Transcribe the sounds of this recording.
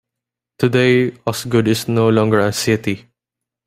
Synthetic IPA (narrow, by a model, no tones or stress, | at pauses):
t̪ud̪ejɔsɡʊd̪ɪsnoʊlɔ̃ŋɡəɹəsɪt̪i